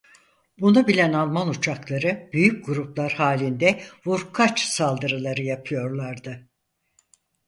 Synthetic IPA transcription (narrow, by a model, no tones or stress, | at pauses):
bunubilʲænalˠmanut͡ʃʰaklˠaɾɯbyjyc̚ɡuɾuplˠaɾhaːlʲind̪ɛvuɾkʰat͡ʃsalˠd̪ɯɾɯlˠaɾɯjapʰɯjo̞ɾlˠaɾd̪ɯ